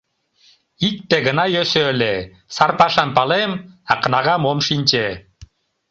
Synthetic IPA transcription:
ik̚t̪eɡɯnajøsøːle | saɾpaʃɑmpalˠemɑqɯnaʁɑmomʃinʲt͡ʃe

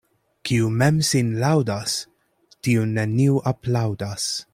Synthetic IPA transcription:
kʰiumemsinlawdas | tiuneniuʔaplawdas

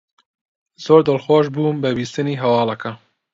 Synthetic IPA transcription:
z̥oːɾd̪əlxoʃ̬buːmbəbiːst̪ɨniːɦɛwɑːlɛkʰɐ

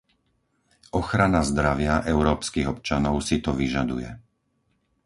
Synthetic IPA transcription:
ʔɔxɾanazd̪ɾaʋɪaʔɛʊɾɔːpskiɣɔpt͡ʃanɔʊsit̪ɔʋiʒad̪ṵjɛ̰

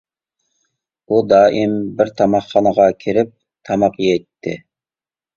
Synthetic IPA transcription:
ud̪ɑːʔimbɪɾt̪ʰɑmɑχːɑnəʁɑkʲʰiɾɪp̚ | t̪ʰɑmɑqjɛt̪ʰːɪ

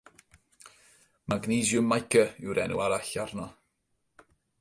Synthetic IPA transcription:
maɡniːzjʊmajkʰəɪwɾɛnṵaɾaɬarnɔ

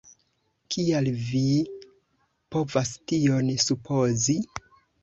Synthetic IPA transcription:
kʰialvi | po̞vastionsupʰo̞zi

